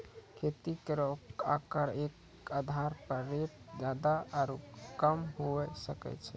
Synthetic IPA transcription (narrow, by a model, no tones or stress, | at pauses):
kʰet̪ikeɾokakəɾek | ad̪ʱaɾpəɾːep̚d͡ʒad̪aaɾukəmɦoɛsəkɛ̰t͡ʃʰɛ